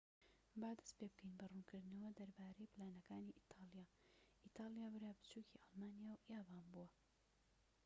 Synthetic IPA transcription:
baːd̪ɐ̥speb̚kʰəjnbɐruːnkʰɨɾd̪nɐwɐd̪ɐɾbaːɾɐjplaːnɐkaːniːʔit̪ʰɑːlˠijaː | ʔit̪ʰaːlˠijaːbɨɾaːbɨt͡ʃuːkʰiːʔɑlˠmaːnijaːwjaːbaːnbuwɐ

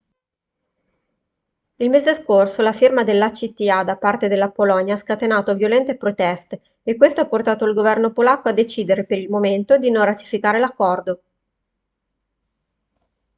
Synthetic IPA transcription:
ilmeːzeskorsolafirmad̪elːat͡ʃit̪iad̪apart̪ed̪elːapolɔɲjaaskat̪enaːt̪ovjolɛnt̪epɾot̪ɛst̪eː | kːwest̪oapːort̪aːt̪oilɡovɛrnopolakːoad̪ːet͡ʃiːd̪eɾepeɾilmoment̪od̪inõnrat̪i̥fikaːɾelakːɔrd̪o

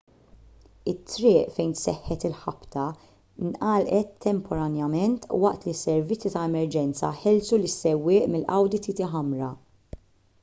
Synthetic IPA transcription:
ɪt̪ːɾɪːʔfɛjnsɛħːɛt̪ɪlħɐpt̪ɐ | nʔɐlʔɛt̪ʰːɛmpʰɔɾɐnjɐmɛnt̪wɐʔt̪lisːɛɾvɪt͡sːit̪ɐɛmɛɾd͡ʒɛnt͡sɐ̰ħɛlsulɪsːɛwːɪːʔmɪlːʔɐ̰wd̪ɪt̪it̪ɪħɐmɾɐ

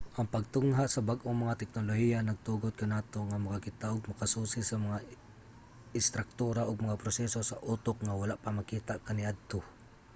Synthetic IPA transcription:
ʔaŋpaɡ̚t̪ʊŋɦasabaɡʔoŋmaŋat̪ɛk̚nolohijanaɡ̚t̪uːɡod̪̚kanaːt̪oŋamakakɪt̪aʔoɡ̚mɐkasuːsɪsamaŋa | ɪst̪ɾak̚t̪uːɾaʔoɡmaŋapɾosɛsosaʔut̪ok̚ŋawalaʔpamakiːt̪aʔkaniʔad̪̚t̪o

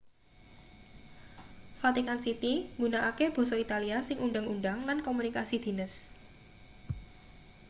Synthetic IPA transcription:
fat̪ikansit̪iŋɡunaʔakeb̥o̤sɔit̪aliasɪŋuɳɖaŋuɳɖaŋlankomunikasid̪̥i̤nəs

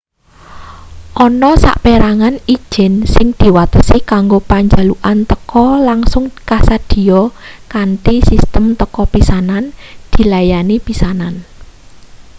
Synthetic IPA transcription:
ʔɔnɔsa̰ʔpeɾaŋani̥ʒ̥ɪ̤nsɪŋd̪̥i̤wat̪əsikaŋɡopaɲd͡ʒa̤luʔant̪əkɔlaŋsʊŋkasad̪̥i̤ɔkant̪isist̪əmt̪əkɔpisanand̪̥i̤lajanipisanan

